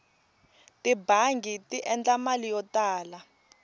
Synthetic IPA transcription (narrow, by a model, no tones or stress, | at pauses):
tibaŋɡitiʔɛnd͡ɮamalijɔtaːla